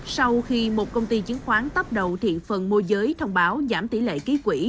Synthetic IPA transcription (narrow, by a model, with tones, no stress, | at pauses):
ssa˧wxi˧mo˨˩t̚kə˧wŋ͡mt̪i˧t͡ɕi˨˦əŋxwaː˨˦nt̪ə˦˥p̚ɗə˨˩wt̪ʰḭ˧˨fə˨˩nmo˧zəː˨˦jt̪ʰə˧wŋ͡mɓaː˨˦wzaː˧˩mt̪i˧˩lḛ˧˨ki˨˦kwi˧˩